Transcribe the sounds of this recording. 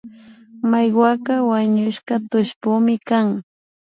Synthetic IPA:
majɢwakɑwaɲʊʃɢɑt̪ʊʃpʊmɪkaŋ

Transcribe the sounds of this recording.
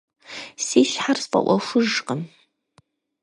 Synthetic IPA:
siːʃħarsfʼɐ̰ʔʷɔxʷʊʒqəm

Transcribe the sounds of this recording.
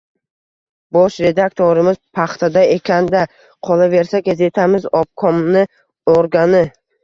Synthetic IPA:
bɒʃɾe̞d̪ak̚t̪ʰoɾɪmɪz̥pʰaχt̪ʰad̪ae̞kʲʰand̪a | qʰɒlˠave̞ɾsaɡaze̞t̪ʰamɪzɒp̚kʰɒmnɪ | oɾɡanɪ

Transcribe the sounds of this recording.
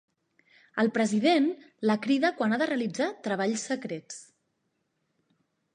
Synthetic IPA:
əlˠpɾəziðen | ləkɾiðəkwanaðəreəlid͡zat̪ɾəβ̞aʎsəkɾet͡s

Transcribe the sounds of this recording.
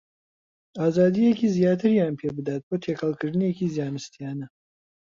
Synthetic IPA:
aːzaːd̪ijekiːzijaːt̪ʰɨɾjaːnpʰebɨd̪aːt̪̚boːt̪ʰekʰɐlˠkʰɨɾd̪ɨnjekiːzjaːnɨst̪ijaːnɐ

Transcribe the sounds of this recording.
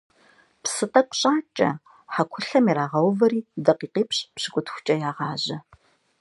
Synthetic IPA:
psɨtʼɐkʷʼɕʼaːt͡ʃʼɐ̰ | ħakʷʰʊɬɐmiːɾaːʁɐwvɐɾiːdɐqiːqiːpɕʼpɕɪkʷʼʊtʰxʷʊ̥t͡ʃʼɐjaːʁɑːʑɐ

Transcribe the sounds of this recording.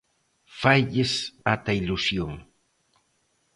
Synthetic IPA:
fajʎɪsat̪ailusjoŋ

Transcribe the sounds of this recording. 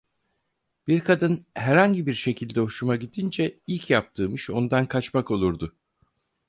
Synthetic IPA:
b̥iɾkʰad̪ɯnɦæɾhaɲɟibiɾʃe̞cʰilʲd̪ɛoʃumaɟid̪ind͡ʒɛilʲcʰjap̚t̪ʰɯːmɯʃo̞nd̪ankʰat͡ʃmako̞lˠuɾd̪ʊ

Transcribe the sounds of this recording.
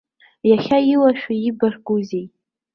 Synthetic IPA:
jaχʲailaʃᶣaibarɡuzej

